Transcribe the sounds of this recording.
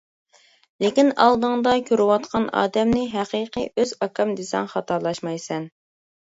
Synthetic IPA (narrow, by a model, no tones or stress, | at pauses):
lɪkʲinɑ̰lˠd̪əŋd̪ɑkʲʰøɾɪwɑt̪qʰɑnɑ̰ːd̪ɛmnɪɦæqiːqəʔøzɑkʰɑmd̪esɛ̰ŋχɑt̪ɑɾlˠɑʃmɑjsɛn